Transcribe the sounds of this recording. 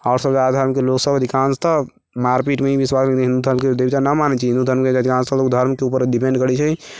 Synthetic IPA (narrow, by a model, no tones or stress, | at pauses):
aʊɾsəbd͡ʒaɾd̪ʱəɾmkeloksəbəd̪ʱikanst̪ə | maɾpiʈmeibiswaslət̪ɦĩnd̪ud̪ʱəɾmked̪ebit̪anamanɛt͡ʃiɦind̪ud̪ʱəɾmkeəd̪ʱikãnst̪əlokd̪ʱəɾmkeupəɾɖipẽɳɖkəɾɛt͡ʃʰɛ